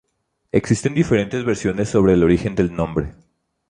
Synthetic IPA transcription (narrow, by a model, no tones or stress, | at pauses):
eksist̪e̞nd̪ife̞ɾe̞nt̪e̞zβe̞ɾsjo̞ne̞sːo̞β̞ɾe̞ːlo̞ɾixe̞nd̪e̞lnõ̞mbɾe̞